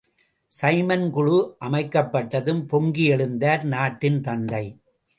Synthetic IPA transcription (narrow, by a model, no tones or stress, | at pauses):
sɐɪmɐnkʊɻuʔɐmɐɪkːɐpːɐʈːɐðɯmpɔŋɡiɛɭɯnd̪aːɾnaːʈːɪnt̪ɐnd̪ɐɪ